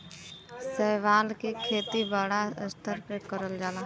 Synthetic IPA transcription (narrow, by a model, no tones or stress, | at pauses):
sɛɦʋaːlkekʰeːt̪ibaːɽast̪ʰəɾpekəɾəld͡ʒaːlaː